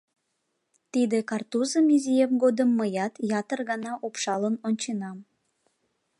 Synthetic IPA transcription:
t̪id̪ekɑrt̪uzəmizʲijemɡod̪əmːəjɑt̪jɑt̪ərɣɑnɑʔopʃɑlənonʲt͡ɕenɑm

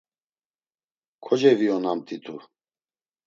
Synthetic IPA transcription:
kʰɔd͡ʒɛviɔnamt̪ʰit̪ʰu

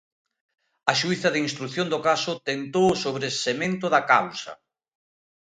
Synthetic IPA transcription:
ɐʃujθɐðeinst̪ɾuθjond̪okasʊt̪ent̪owsoβɾesemẽnt̪ʊðɐkawsɐ̰

